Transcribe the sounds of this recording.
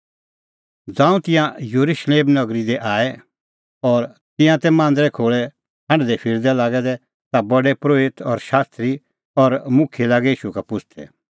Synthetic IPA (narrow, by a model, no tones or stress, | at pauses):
d͡zãːũt̪ɪ̃jãjoɾuʃleːmnɐɡɾid̪ɛʔaːɛ | ɔːɾ | t̪ɪ̃jãt̪ɛmãːnd̪ɾɛkʰoːɭɛ | hɐ̃ɳɖd̪ɛpʰɪɾd̪ɛlaːɡɛd̪ɛ | t̪abɔɖɛpɾoːɪt̪ɔɾʃaːst̪ɾi | ɔɾmʊ̃kʰjelaːɡɛiːʃukapʊt͡ʃʰt̪ʰɛ̰